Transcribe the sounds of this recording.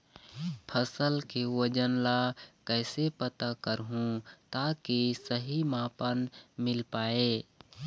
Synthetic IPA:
pʰəsəlkewəd͡ʒənlakɛɪsepət̪akəɾɦũt̪akisəɦimãpənmɪlpaːe

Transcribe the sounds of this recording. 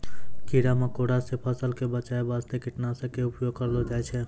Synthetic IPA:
kiɽamekoɽasẽpʰəsəlkebət͡ʃaebast̪ekiʈnasə̃keʊpjoɡ̚kəɾlɔd͡ʒajt͡ʃʰɛ

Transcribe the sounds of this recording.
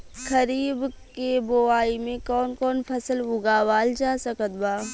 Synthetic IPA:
kʰɐɾiːb | keboaːimẽkɔːnkɔːnpʰɐsəlʊɡaːʋaːld͡ʒaːsɐkət̪baː

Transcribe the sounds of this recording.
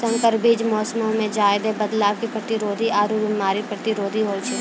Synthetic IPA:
sɐ̃ŋkəɾbid͡ʒmɔːsmõmẽd͡ʒaːɪd̪ebəd̪laːʋkipɾɐt̪ɪɾoːd̪ʱiaːɾubɪmaːɾipɾɐt̪ɪɾoːd̪ʱiɦoːt͡ʃʰi

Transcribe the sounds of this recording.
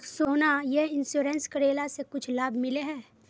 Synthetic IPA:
soːnajeɦɪnsjuːɾenskəɽeːlasekʊt͡ʃʰlaːbʱmɪleɦɛː

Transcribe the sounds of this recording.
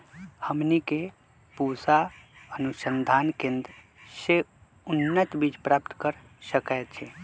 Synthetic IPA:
həmnike | pusaənusənd̪ʱaːnkẽnd̪ | se | ʊnːət̪bid͡ʒpɾaːpt̪kəɾ | səkajt̪t͡ʃʰɛ

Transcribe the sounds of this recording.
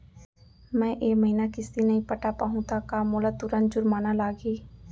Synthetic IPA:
mɛ̃ːʔeːməɦinakɪst̪inəɦĩpəʈapaːɦũt̪ʰakaːmoːlat̪ʊɾən̚d͡ʒʊɾmaːnalaːɡiː

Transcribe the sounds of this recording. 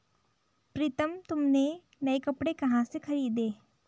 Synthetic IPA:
pɾɪt̪əmt̪ʊmne | nɐekɐpɽekɐɦãsexʰɐɾiːd̪eː

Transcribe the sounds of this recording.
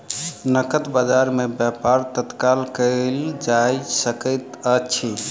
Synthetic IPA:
nəkət̪bəd͡ʒaɾmebjapaɾt̪ət̪kalkəld͡ʒajsəkəjt̪ət͡ʃʰi

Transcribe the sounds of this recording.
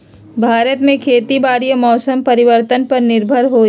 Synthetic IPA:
bʱaːɾət̪mẽkʰeːt̪ibaːɾijəmɔːsəmpɐɾɪʋəɾt̪ənpɐɾnɪɾbʱəɾɦoː

